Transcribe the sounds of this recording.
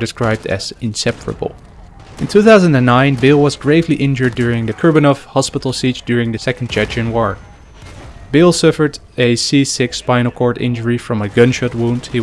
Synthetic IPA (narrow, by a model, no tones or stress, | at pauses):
dɨskɹaɪb̚dɨ̰z̥ɨ̃nsɛpʰəɹə̰b̰l̩ˠ | ʔɨ̃ntʰʉθaʊzə̃ndɨ̃nːãɪ̃nbɪlˠwʌzɡɹeɪvliʔɪ̃nd͡ʒə˞dʊɹɪ̃ŋðɨkʰɜ˞bɨnɔfhɑspɪɾl̩ˠsit͡ʃd̥ʊɹɪ̃ŋðɨsɛkn̩d͡ʒɛt͡ʃɨ̃nwɔɹ | bɪlˠsʌfə˞ɾ | ɨsisɪkspãɪnl̩ˠkʰɔɹɾɪ̰̃nd͡ʒə˞ifɹʌ̃mɨɡʌ̃nʃʌt̚wũnd̥hi